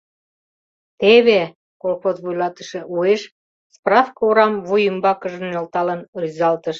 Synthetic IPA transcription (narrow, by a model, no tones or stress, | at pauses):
t̪eβe | kolxozβujlɑt̪ə̥ʃeʔueʃ | sprɑfkəoɾɑmvujəmbɑkəʒə̆mnølt̪ɑlənryzɑlt̪əʃ